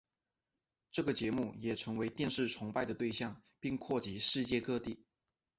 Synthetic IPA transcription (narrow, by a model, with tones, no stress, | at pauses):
ʈ͡ʂɤ˥˩ɡə˩t͡ɕjɛ˧˥mu˥˩jɛ˨˩ʈ͡ʂʰɤ˧˥ŋwe˧˥ɪt̪jɛ˥˧nʂɻ̩˥˩ʈ͡ʂʰʊ˧˥ŋpa˥˩ɪd̪ə˩t̪we˥˧ɪɕjɑ˥˩ŋpi˥˧ŋkʰwɔ˥˩t͡ɕi˧˥ʂɻ̩˥˧t͡ɕjɛ˥˧kɤ˥˧t̪i˥˩